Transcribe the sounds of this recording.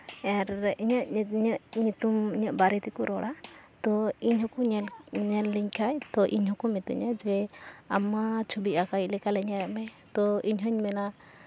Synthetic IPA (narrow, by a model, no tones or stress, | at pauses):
ɛɾiɲaʔiɲaʔɲit̪umiɲaʔbaɾit̪ikɔɾʔɔɽat̪ɔiɲɦɔkɔɲɛlɲɛlːiɲkʰajt̪ɔʔḭɲɦɔkɔmɛt̪ɛ̰ɲad͡ʒɛamat͡ʃʰubiʔakajlɛkalɛɲaɾɛʔmɛ | t̪ɔiɲɦɔɲmɛna